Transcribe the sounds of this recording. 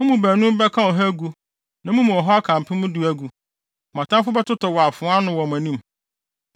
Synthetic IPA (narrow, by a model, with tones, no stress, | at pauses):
mʊ̃˦mũ˨bæ˨nũ˦m˦bɛ˦kʰã˦ɔ˨ɦæ˦ɡu˦ | nã˨mũ˦mũ˨ɔ˨ɦɔ˦a˦kʰã˨m˨pʰɪ̃˦mʊ̃˦du˦æ˦ɡu˨ | mã˨tʰã˦mfʊ˦bɛ˦tʊ˦tʰɔ˨wɔ˨a˨fʊ̃˨˦a˦nʊ̃˨wɔ˨m˨æ˨nĩ˦m